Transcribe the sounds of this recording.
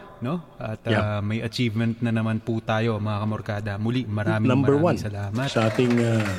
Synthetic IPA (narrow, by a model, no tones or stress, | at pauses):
no̞ʔɐt̪amɐjʔɐt͡ʃiːvmɛnt̪̚nɐnɐmanput̪aːjo̞ɐmɐŋɐkɐmoɾkaːd̪ɐmʊlimɐɾaːmɪnamɛɹwansɐlaːmɐsɐʔaːt̪ɪŋa